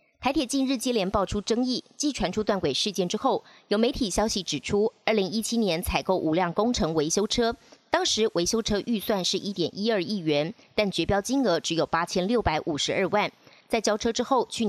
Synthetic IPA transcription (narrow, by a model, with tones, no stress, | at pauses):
t̪ʰa˧˥ɪt̪ʰjɛ˨˩t͡ɕi˥˧nɻɻ̩˥˩t͡ɕjɛ˥ljɛ˧˥npɑ˥˩ʈ͡ʂʰu˥ʈ͡ʂɤ˥ŋi˥˩t͡ɕi˥˩ʈ͡ʂʰwa˧˥nʈ͡ʂʰu˥t̪wa˥˩nkwe˨˩ʂɻ̩˥˧t͡ɕjɛ˥˩nʈ͡ʂɻ̩˥xo˥˩ʊjo˨˩ʊme˧˥ɪt̪ʰi˨˩ɕjɑ˥ʊɕi˧˥ʈ͡ʂɻ̩˨˩ʈ͡ʂʰu˥ə˞˥˩li˧˥ŋi˦˥t͡ɕʰi˥njɛ˧˥nt͡sʰa˨˩ɪko˥˩ʊʔu˨˩ljɑ˥˩ŋkʊ˥ŋʈ͡ʂʰɤ˧˥ŋwe˧˥ɪɕjo˥ʊʈ͡ʂʰɤ˥t̪ɑ˥ŋʂɻ̩˨˧˥we˧˥ɪɕjo˥ʊʈ͡ʂʰɤ˥ʔy˥˧swa˥˧nʂɻ̩˥˩ʔi˥t̪jɛ˨˩nʔi˦˥ə˞˥˧i˥˩ɥɛ˧˥nt̪a˥˩nt͡ɕɥɛ˧˥pjɑ˥ʊt͡ɕi˥ŋɤ˧˥ʈ͡ʂɻ̩˧˥jo˨˩ʊpa˥t͡ɕʰjɛ˥nljo˥˩ʊpa˧˥ɪʔu˨˩ʂɻ̩˧˥ə˞˥˧wa˥˩n | t͡sa˥˩ɪt͡ɕjɑ˥ʊʈ͡ʂʰɤ˥ʈ͡ʂɻ̩˥xo˥˩ʊt͡ɕʰy˥˩